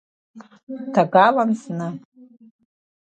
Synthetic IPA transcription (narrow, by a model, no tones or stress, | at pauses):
tʰaɡalansnɨ